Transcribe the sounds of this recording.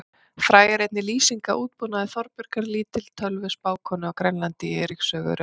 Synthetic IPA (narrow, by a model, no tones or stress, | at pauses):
fɾaːjɪɾejt̪nɪliːsiŋka̰ʔuːt̪̚punaðɪθɔɾpʏɾ̥kaɾliːt̪ɪl̥t̪ʰœlvʏspaːwkʰɔnʏawkɾɛnlant̪ɪɛːɾiksœːɣʏ̰ɾ